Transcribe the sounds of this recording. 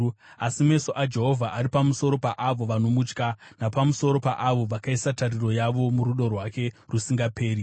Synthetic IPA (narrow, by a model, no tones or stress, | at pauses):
asime̞so̞ʔad͡ʒe̞ɦo̞vʱaʔaɾipamuso̞ɾo̞paʔaʋo̞ʋano̞mut͡ʃkanapamuso̞ɾo̞pa̰ʔaʋo̞ʋakaisataɾiro̞jaʋo̞muɾuɗo̞rwake̞rusiŋɡape̞ːɾi